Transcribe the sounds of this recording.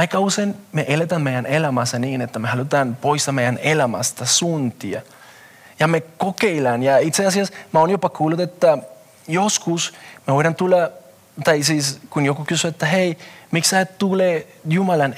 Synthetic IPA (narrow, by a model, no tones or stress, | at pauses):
ɑjkɑusenmeʔelet̪ænmejænʔelæmɑseniːnet̪ːæmehɑlut̪ɑnpoist̪ɑmejænelæma̰si̥t̪æsunt̪iɑ̰ | jɑmekokeilɑnjɑit̪seɑsiɑsmɑonjopɑkuːlːut̪et̪ːæ | joskusmeʋojɾɑnt̪ulːɑ | t̪ɑjsiskunjokukysyet̪ːæɦejmiksætt̪ule | jumɑlɑn